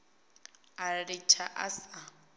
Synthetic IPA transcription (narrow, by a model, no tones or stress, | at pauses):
arɪt͡ʃʰaʔasa